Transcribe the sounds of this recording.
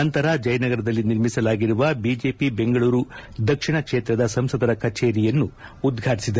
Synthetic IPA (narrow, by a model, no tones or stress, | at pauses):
ɐnt̪ɐɾɐd͡ʒɐjɐnɐɡɐɾɐd̪ɐlːiniɾmisɐlaːɡiɾuʋɐbid͡ʒe̞ːpibe̞ŋɡɐɭuːɾud̪ɐkʂiɳɐkʂeːt̪ɾɐd̪ɐsɐmsɐd̪ɐɾɐkʰɐt͡ʃeːɾijɐnːuːd̪ɡʱaːʈisid̪ɐ